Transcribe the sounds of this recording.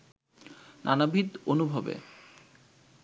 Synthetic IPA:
nanabʱid̪onubʱobḛ

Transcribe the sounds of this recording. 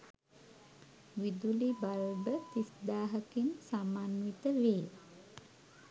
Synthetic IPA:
ʋid̪ulibalbət̪isd̪aːɦəkinsamanwit̪əʋeː

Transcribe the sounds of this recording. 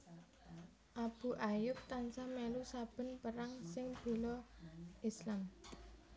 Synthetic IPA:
ʔab̥ṳʔajʊp̚t̪ansamɛlusab̥ə̤npəɾaŋsɪŋb̥ṳlɔʔislam

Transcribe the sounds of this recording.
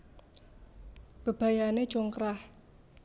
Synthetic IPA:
b̥ə̤b̥a̤jane̥d͡ʒoŋkɾah

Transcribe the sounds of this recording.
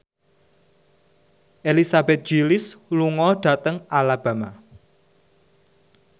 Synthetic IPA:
ʔelisabɛt̪̚d͡ʒ̥ilɪsluŋɔɖ̥ä̤t̪əŋalab̥ä̤ma

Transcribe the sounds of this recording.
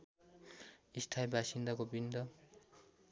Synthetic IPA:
ist̪ʰajbʱasind̪akobind̪ʌ

